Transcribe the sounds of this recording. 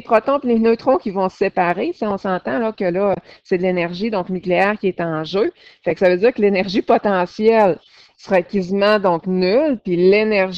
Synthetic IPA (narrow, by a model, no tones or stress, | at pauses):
pχɔt̪ɔ̃pilenøt̪ʁɔ̃kʲivɔ̃sepaʁesɛɔ̃sɑ̃ːt̪ãlɔkʲəlɔsed̪lenɛʁʒid̪ɔ̃knykleɛːʁkʲiɛt̪ɑ̃ʒø | fɛksavød͡ziːʁkəlenɛʁʒipɔt̪ɑ̃sjɛl | sʁɛkʲizmãd̪ɔ̃knylpilenɛʁʒ